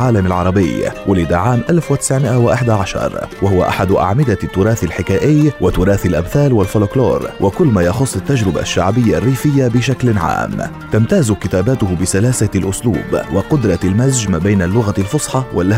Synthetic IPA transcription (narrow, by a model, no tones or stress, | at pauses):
ʕaːlamalʕɑɾˤɑbɪ̰jwʊlɪd̪aʕaːmʔalfwɪt̪ɪ̥sʕmɪʔawɪʔaħd̪aʕaʃɑ̰ɾˤwahʊwaʔa̰ħad̪ʔa̰ʕmɪd̪at̪ːʊɾɑːθalħɪkaːʔɪjːwat̪ʊɾˤɑːθalʔabθaːlwalfoloklo̰ːɾˤwʔakʊlːmaːjɑxʊsˤːɪt̪ːad͡ʒɾɪba̰ʃːaʕbɪjːarːiːfɪjːabɪʃaklʕa̰ːm | t̪amt̪aːzkɪt̪aːbaːt̪ʊhʊbɪsalaːsalʔʊslṵːbwɪqʊd̪ɾˤɑlmazd͡ʒmaːbajnalːʊɣalfʊsˤħɑwʔa̰lʔa